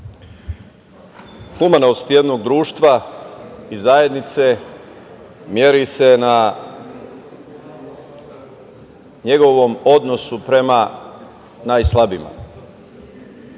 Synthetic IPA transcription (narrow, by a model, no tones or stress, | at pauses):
xumanost̪jed̪no̞ɡd̪ɾuːʃt̪ʋa | izaje̞d̪nit̪se̞ | mjeɾise̞na | ɲe̞ɡo̞ʋomo̞d̪no̞supɾe̞ma | naːjslˠabima̰